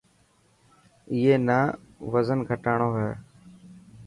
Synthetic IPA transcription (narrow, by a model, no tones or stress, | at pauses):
ieːnaːʋəzənɡʱəʈaːɳoːɦɛː